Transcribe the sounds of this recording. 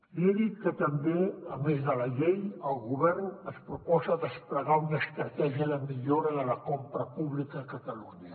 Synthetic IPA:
leðikət̪əmbeəmezðəlɐʎejəlˠɣuβ̞ɛɾnəspɾupɔzəðəspɾəɣaunəst̪ɾət̪ɛʒiəðəmiʎoɾəðələkompɾəpuβlikəkət̪əluɲə

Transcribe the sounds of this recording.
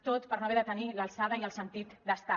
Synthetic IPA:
t̪ot̪pəɾnoβeðət̪əniləlˠsað̞əiəlˠsənt̪it̪d̪əst̪a

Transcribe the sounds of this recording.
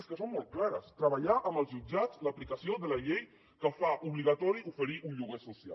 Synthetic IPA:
skəsommɔlˠt̪̚klaɾəst̪ɾəβəʎaʔəməlˠzʒud͡ʒat͡sləplikəsioðələʎej | kəfaʔuβliɣat̪ɔɾiufəɾiʔunʎuɣesusia̰

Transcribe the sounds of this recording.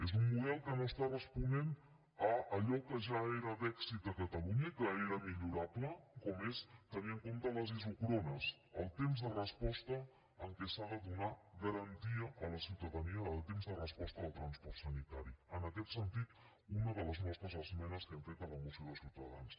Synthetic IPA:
ezumːuð̞ɛlˠkənoəst̪arəspunen | əːʎɔkəʒaeɾəd̪ɛksit̪̚d̪əkət̪əluɲəkəeɾəmiʎuɾapləkɔmest̪əniəŋkomt̪ələzizukɾonəs | əlˠt̪emzðərəspɔst̪ə | əŋkɛsaðəðunaɣəɾənt̪iəʔələsiwt̪əðəniəːlˠt̪emzðərəspɔst̪əːlˠt̪ɾənspɔɾt̪sənit̪aɾiənəkɛt̪sənt̪it̪ | unəðələznɔst̪ɾəzəzmɛnəskənt̪ɛt̪ələmusioðəlˠsiwt̪əða̰ns

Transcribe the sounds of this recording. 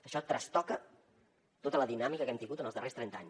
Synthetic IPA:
əʃɔt̪ɾəst̪ɔkə | t̪ot̪ələðinamikəkɛmt̪iŋɡut̪ənəlˠzðərest̪ɾɛnt̪aɲ

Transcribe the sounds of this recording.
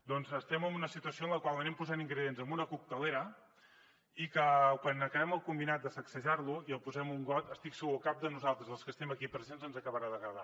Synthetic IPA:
d̪ɔnzəst̪ɛməmbunəsit̪uəsioənləkwalˠənɛmpuzaniŋɡɾəðienzəmbunəkuk̚t̪əleɾə | ikəkwanəkəβɛməlˠkumbinat̪̚d̪əsəksəʒaɾluiəlˠpuzɛmuŋɡɔt̪əst̪iksəɣuəkap̚d̪ənuzalˠt̪ɾəzðəlˠskəst̪ɛməkipɾəzenzənzəkəβəɾaðəɣəβa̰

